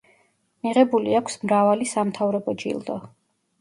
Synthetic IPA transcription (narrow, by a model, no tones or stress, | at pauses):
miʁɛbuliakʷʰsmɾavalisamt̪ʰavɾɔbɔd͡ʒḭlˠd̪ɔ